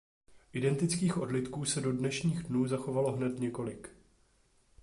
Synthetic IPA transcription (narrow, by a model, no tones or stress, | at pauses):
ʔɪdɛnt̪ɪt͡skiːxʔo̞dlɪt̪kuːsɛdo̞dnɛʃɲiːɣdnuːzaxo̞valo̞ɦnɛt̪ɲɛko̞lɪk